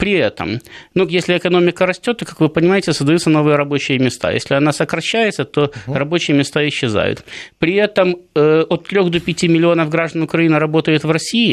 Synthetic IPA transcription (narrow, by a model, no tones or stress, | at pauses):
pɾʲɪɛt̪ə̰mnujesʲlʲɪːkɐno̞mʲɪkəɾɐsʲtʲot̪ːokakvɨpənʲɪmajɪtʲɪsəzd̪ɐjut̪səno̞vɨjəɾɐbo̞t͡ɕɪjəmʲɪst̪a̰jḛsʲlʲɪɐnasəkɾɐɕːæjɪt̪sət̪o̞rɐbo̞t͡ɕɪjəmʲɪst̪aɪɕːɪza̰jʊ̰t̪pɾʲɪɛt̪əməot̪ːɾʲo̞xd̪opʲɪtʲimʲɪlʲɪo̞nəvɡɾaʐd̪ənʊkɾɐinɨɾɐbo̞t̪əjɪt̪vrɐsʲiɪ